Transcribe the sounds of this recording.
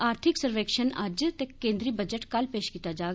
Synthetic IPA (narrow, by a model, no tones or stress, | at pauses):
aːɾt̪ʰɪksəɾʋeːkʃənɐ̰d͡ʒt̪ekẽːnd̪ɾiːbəd͡ʒəʈkɐlpeːʃkit̪ad͡ʒaː